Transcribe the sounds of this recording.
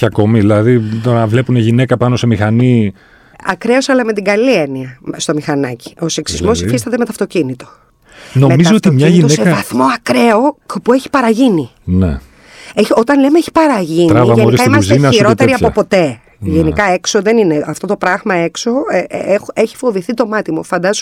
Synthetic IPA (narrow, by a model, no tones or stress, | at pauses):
ɐko̞miðilɐðit̪onɐvle̞puneʝine̞kɐpɐno̞se̞mixɐni | ɐkɾe̞osɐlɐme̞t̪iɡɐlieniɐst̪o̞mixɐnɐci̥o̞seksizmo̞sifist̪ɐt̪̬emet̪oɐft̪o̞cinit̪o̞ | no̞memizoot̪imɲɐʝinssevɐθmo̞ɐkɾe̞okpueçi̥pɐɾɐʝini | nḛ | eçot̪ɐnle̞meeçi̥pɐɾɐʝinɾiɐvɐʝeiɾikɐɐimɐs̬zesiɾo̞t̪eɾiɐo̞po̞t̪e̞ | ʝenikɐe̞kso̞ðe̞nine̞ɐft̪o̞t̪o̞pɾɐɣmɐe̞kso̞xeçi̥fo̞viθit̪o̞mɐt̪imufɐnd̪ɐzo